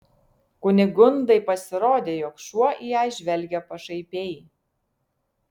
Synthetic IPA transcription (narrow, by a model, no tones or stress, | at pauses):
kʊnʲɪɡʊnd̪ɐɪpɐsʲɪɾoːd̪ʲeːjoːkʃuɔʔijæˑɪʒʲʋʲɛlʲɡʲɛpɐʃɐɪpʲeːj